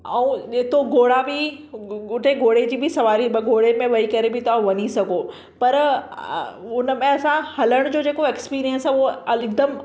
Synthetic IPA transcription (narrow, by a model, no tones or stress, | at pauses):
ɐũeːt̪oɡoːɽabɪ | ʊʈeɡoːɽ̤ed͡ʑiːbʱɪsɐʋaːɾibɡoːɽemẽʋɐikɐɾebʱɪt̪aũʋɐɲisɐɡʱo | pɐɾ | ʊnəmẽɐsãhɐləɽ̃d͡ʑoːd͡ʑeːkoekspiːɾijənsɛoɐɪɡ̚d̪əm